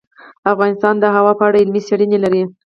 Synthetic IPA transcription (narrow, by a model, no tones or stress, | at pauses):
afɣɑnɪst̪ɑnd̪əɦawɑpəaɽaɪlmiseɽinelaɾi